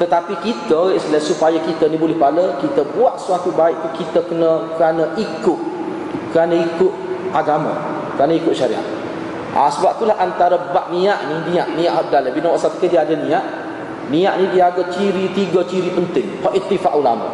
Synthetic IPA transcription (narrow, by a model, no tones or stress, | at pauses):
t̪ət̪apikit̪əeʔslasupajakit̪ənibolɛhpaləkit̪əbuaʔsuat̪ubaɪʔ̚t̪ukit̪əkənəkəɾanəʔikʊʔ | kɾanəikʊt̪̚aɡamə̰ | kəɾanəikʊt̪ʔ̚ʃaɾḭa̰ʔ | ʔa̰səbap̚t̪ulahʔant̪aɾəbaʔnĩaʔninĩaʔnĩaʔɦap̚dalabinəwaʔsap̪ə̥kədiadənĩaʔ | niaʔnidiaɡaʔt͡ʃiɾit̪iɡət͡ʃiɾipənt̪ɪŋfaʔit̪ːifaʔula̰ma̰